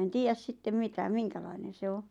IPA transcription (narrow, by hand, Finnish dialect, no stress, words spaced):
en tiːjæs sitːem mitæ miŋkælɑinen̞ se o